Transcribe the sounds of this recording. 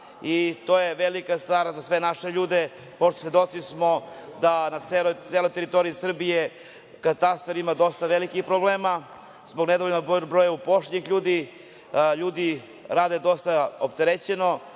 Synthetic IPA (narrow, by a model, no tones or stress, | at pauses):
it̪o̞jeʋelikast̪aːɾazasʋe̞naʃeʎuːd̪e | poʃt̪osʋje̞d̪o̞t̪sismo̞d̪anat̪selojt̪selo̞jt̪eɾit̪o̞ɾiisr̩bije | kat̪ast̪aɾimad̪o̞st̪aʋelikixpɾobleːma | zboɡned̪oʋoʎʲimabɾojaupo̞ʂɲixʎuːd̪i | ʎuːd̪i | ɾaːd̪ed̪o̞st̪aopt̪eɾet͡ɕeno̞